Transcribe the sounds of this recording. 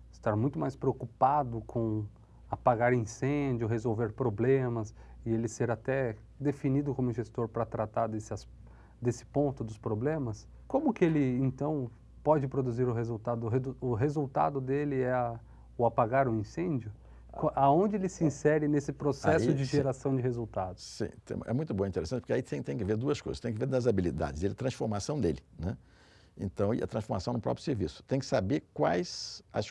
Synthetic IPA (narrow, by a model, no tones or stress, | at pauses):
ɪst̪aɾmũj̃t̪ʊmajspɾeokupad̪ʊkʰõ | apaɡaɾʊĩsẽd͡ʒʊɦezowveɾpɾoblẽmɐsɪelɪseɾat̪ɛ | d̪efinid̪ʊkõmʊʒest̪oɾpɾɐt̪ɾat̪aɾd̪esɐs | d̪esɪ̥põnt̪ʊd̪ʊspɾoblẽmɐs | kõmʊkɪelɪẽnt̪ɐ̃w̃ | pɔd͡ʒɪpɾod̪uziɾʊɦezuwt̪ad̪ʊɦed̪uʊɦezuwt̪a̰d̪ʊd̪elɪɛɐ | ʊapaɡaɾʊĩsẽd͡ʒjʊ | kaõnd͡ʒɪelɪsɪĩsɛɾɪnesɪpɾosɛʊd͡ʒɪʒeɾasɐ̃w̃d͡ʒɪɦezuwt̪ad̪ʊssḭ̃t̪ḛ̃ɛ̰mũj̃t̪ʊbõĩt̪eɾesɐ̃t͡ʃɪpoɾkeait̪ẽj̃t̪ẽj̃kɪveɾd̪uɐsko̰jzɐst̪ẽj̃kɪveɾnɐzabilid̪a̰d͡ʒɪzd̪elɐt̪ɾɐ̃sfoɾmasɐ̃w̃d̪elɪnɛ | ḛ̃nt̪ɐ̃w̃iɐ̰t̪ɾɐ̃sfoɾmasɐ̃w̃nʊpɾɔ̰pɾjʊ̥seɾvisʊ̥t̪ẽj̃kɪ̥sabeɾkwajzɐ̰s